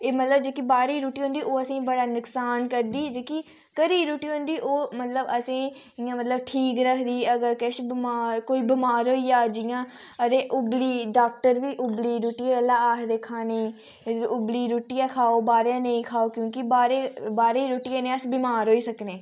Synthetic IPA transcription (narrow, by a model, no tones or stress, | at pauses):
eːmət̪ləb̚d͡ʒeːkiːbaːɾiːɾoːʈiːɦõnd̪iːʔoːəsĩːbəɽaːnʊksaːnkəɾd̪iːd͡ʒeːki | kəɾiːɾoːʈiːɦʊ̃nd̪iːʔoːmət̪ləbəsẽː | ɪjãːmət̪ləbʈʰiːkɾəkʰd̪iːəɡəɾkɛʃbmaːɾkoːiːbɪmaːɾɦoːiːaːd͡ʒɪjãːət̪eːʔʊbliːɖaːk̚ʈəɾʋiːʔʊbliːɾuːʈiːaːəlːãːaːkʰd̪eːkʰaːneĩː | ʊbliːɾoːʈijaːkʰaːoːbaːɾenə̃ĩːkʰaːoːkjõːkɪbaːɾeːbaːɾeːiːɾoːʈijãːnẽːəsbɪmaːɾɦoːiːsəkneː